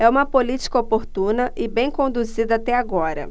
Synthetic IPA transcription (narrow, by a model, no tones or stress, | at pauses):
ɛũmɐpolit͡ʃi̥kɐopoɾt̪ũnɐʔɪbẽj̃kõnd̪uzid̪ɐat̪ɛaɡɔɾɐ̰